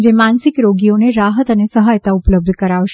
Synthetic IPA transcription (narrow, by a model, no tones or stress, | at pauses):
d͡ʒemansɪkɾoɡioneɾaɦət̪ənesəɦajt̪aʊpləb̚d̪ʱkəɾaʋʃ